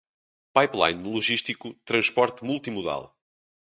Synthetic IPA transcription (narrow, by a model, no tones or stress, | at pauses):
pajplˠa̰jnːulˠuʒiʃt̪ikut̪ɾɐ̃ʃpɔɾt̪mulˠt̪imuða̰lˠ